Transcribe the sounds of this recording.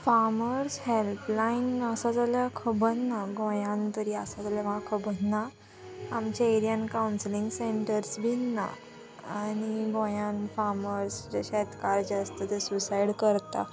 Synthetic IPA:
faɾməɾshelplainəsad͡zaljakʰəbʱənnaɡõjãnt̪əɾiːəsad͡zaljamakʰəbənna | amt͡ɕaeɾijankawnslĩŋɡseɳʈəɾsbinːa̰ | añiɡõjanfaɾməɾsd͡ʑeɕɛt̪kaɾd͡ʑəst̪ət̪esusaiɽkəɾt̪a̰

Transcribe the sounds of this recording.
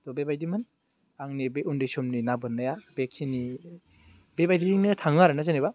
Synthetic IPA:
tɔbebajdimɯn | aŋnibeʔundesɔmninabɯnːajab̥ekʰini | bebajdidiŋnitʰaŋaɾnaseniba

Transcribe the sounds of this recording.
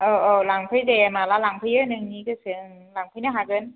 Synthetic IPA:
ʔəːʔoːlaŋpʰajtemaːlalaŋpʰajɯnɯŋniːkɯsɯŋŋlaŋpʰanaɦaːkɯn

